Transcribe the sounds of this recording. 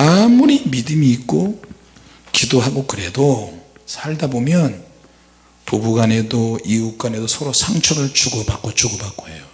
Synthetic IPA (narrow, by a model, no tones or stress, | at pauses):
amuɾimidɯmiːk̚k͈o | kidoɦaɡokɯɾe̞do | sʰaɭdabomjʌn | pubuɡane̞doiuk͈wane̞dosʰʌɾosʰaŋt͡ɕʰʌnɯɭt͡ɕuɡʌbak͈ot͡ɕuɡʌbak͈oḛjo